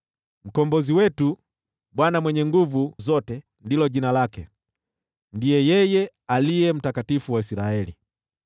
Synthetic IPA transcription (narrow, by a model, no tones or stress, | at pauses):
m̩kɔmbɔziwɛtu | ɓwanamwɛɲɛŋɡuvuzɔtɛ | ndilɔʄinalakɛ | ndijɛjɛjɛ | alijɛm̩takatifuwaisiɾaɛli